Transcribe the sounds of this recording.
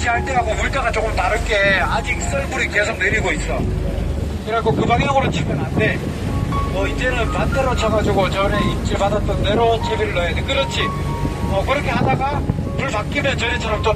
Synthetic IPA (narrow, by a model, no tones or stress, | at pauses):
d͡ʑiaɭt͈eɦaɡomuɭk͈aɡat͡ɕok͈ɯmtaɾɯɭk͈e̞ad͡ʑik̚s͈ɯɭmuɾike̞sʰoŋ̚ne̞ɾiɡois͈ʌ | iɾakokɯbaŋjʌɡɯɾot͡ɕʰimjʌnɦande̞ | ʌid͡ʑe̞nɯnpandeɾot͡ɕʰaɡad͡ʑuɡot͡ɕʌne̞ip̚t͡ɕ͈iɭpadat͈ʌnde̞ɾot͡ɕʰebiɾɯɭːʌenɯkɯɾʌt͡ɕʰi | ʌkɯɾʌkʰe̞ɦadaɡa | puɭpak͈imjʌnt͡ɕʌnet͡ɕʰʌɾʌmt͈o